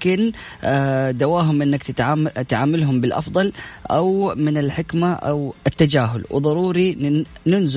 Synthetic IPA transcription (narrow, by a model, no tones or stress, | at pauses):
kɪn | d̪awaːɦʊmʔɪnːakt̪ʕat̪ʕaːmalɦʊmbɪlʔɑ̰fd̪ˤɑlʔawmɪnɪlħɪkmaʔa̰wɪt̪ːad͡ʒaːɦʊlw̰ðˤɑɾˤuːɾinɪnz